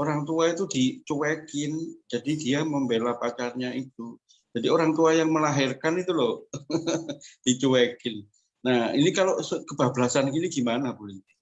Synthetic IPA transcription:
oɾaŋt̪uait̪udit͡ʃuwekɪnd͡ʒadidiaməmbelapat͡ʃarɲait̪u | d͡ʒadioɾaŋt̪uajaŋməlaɦɪrkanit̪ulɔh | d̥it͡ʃuwekɪnː | ahinikaloʔskəb̥abəlasankiniɡ̥imanabulit̪ɪ

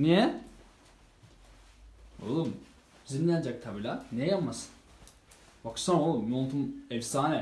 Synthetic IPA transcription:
nijɛ | o̰lˠum | zinlʲijad͡ʒak̚t̪ʰabilʲanɛjapmasɯ̥n | baksanolˠumjont̪ʰumɛvsaːnɛ

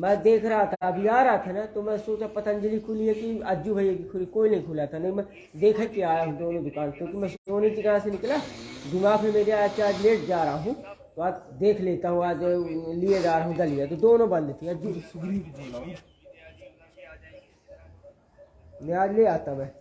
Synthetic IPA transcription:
mɛ̃d̪eːkʰɾaɦat̪ʰabʱijaːɾaat̪ʰanat̪omɛ̃soːt͡ʃapɐt̪ə̃nd͡ʒəlikʰʊliɦɛkiɐd͡ʒubʱəiakikʰʊikoːinɐɦĩkʰʊlaːt̪ʰanɐĩmɛ̃ | d̪eːkʰəkiaːɾaɦũd̪oːnõd̪ʊkaːnkõːkimɛ̃soːnid͡ʒɪɡaːsenɪklaːd̪ɪmãːkʰemeːɾeaːt͡ʃaːd͡ʒleːʈ̚d͡ʒaːɾəaɦũt̪oaːd͡ʒd̪eːkʰleːt̪aɦũaːd͡ʒlied͡ʒaːɾəɦũɡ̪ɐlijet̪od̪oːnõbɐ̃nd̪t̪ʰiɐd͡ʒusɡɾiːd͡ʒaːaũ | mɛ̃aːd͡ʒleaːt̪amɛ̃ː

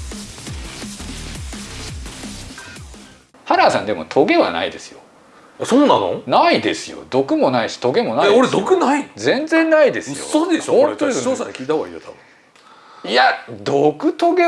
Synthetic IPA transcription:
haɾaːsã̰nd̪e̞mo̞̰t̪ʰo̞ɡe̞βa̰na̰id̪e̞sɨ̥jo̞̰ | sonːã̰no̰naid̪e̞sɨjo̰d̪o̞kɯ̟mo̞naiɕi̥t̪o̞ɡe̞mo̞naioɾed̪okɯnaizẽ̞nd͡zẽ̞nːaid̪e̞sɨjo̰od̪eɕoõnt̪oest͡ɕoːsãɲkʲiːt̪aβa̰ḭjot̪ʰabɯ̟̃ | iad̪okɯ̟t̪o̞ɡe

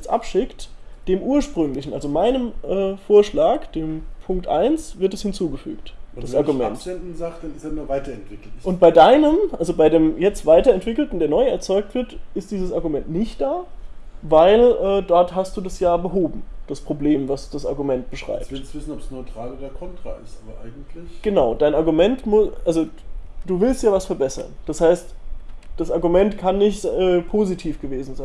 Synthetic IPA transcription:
jɛt͡sʔapʃɪktd̥eːmʔuːɐʃpʁ̥ʏŋlɪçn̩ʔa̰lzomaɪnəmʔɛːfoːɐʃlaːkd̥eːmpʰʊŋktʔa̰ɪnsvɪɐtd̥ɛshɪnt͡suːɡəfy̰ːktdasaɐɡumɛ̰ntɛndn̩zaχd̥anɪsɛnuvaɪtɐɛntv̥ɪkl̩ʊnt̚b̥aɪdaɪnəmʔalzobaɪdeːmjɛt͡stv̥aɪtɐɛntv̥ɪkl̩tn̩deːɐnɔʏɛɐt͡sɔʏk̚tv̥ɪɐtɪstd̥iːzəsaɐɡumɛntnɪçt̚d̥aːvaɪlʔɛːdɔɐthastd̥uːdasjaːbəɦoːbm̩d̥aspʁ̥obleːmvasd̥asʔa̰ɐɡumɛnt̚b̥əʃʁ̥a̰ɪp̚ɪsvɪsn̩ɔpsnɔʏtʁ̥aːloːdɐkʰɔntʁ̥a̰ɪ̰stʔaːbɐʔaɪɡŋ̩tʰlɪɡ̥ənaʊd̥aɪnaɐɡumɛntmʊʔalzod̥uːvɪlstjaːvasfɛɐbɛsɐ̰nd̥ashaɪstd̥asaɐɡumɛntkʰanːɪçtɛːpʰoːzitʰiːfɡ̥əveːzn̩zaɪn

